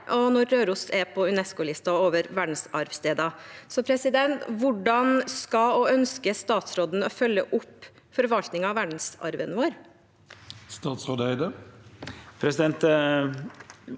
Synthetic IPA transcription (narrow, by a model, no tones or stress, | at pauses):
ʔɔnɔɾːøːɾʊsɛɾpʰɔʉnɛskʊlɪst̪ɑoːʋəɾʋæɖɳ̩sɑɾʋst̪eːd̪ɑsɔpʰɾɛsɪd̪ɛnt̪ʋʊɖɑnskɑɔœnskəst̪ɑːt̪sɾoːd̪n̩ɔfœlːəʔʊpː | fɔɾʋɑlt̪nɪŋɑʋæɖn̩sɑ̰ɾʋənʋoːɾ | st̪ɑːt̪sɾoːd̪æɪd̪ə | pʰɾɛsɪd̪ɛnt̪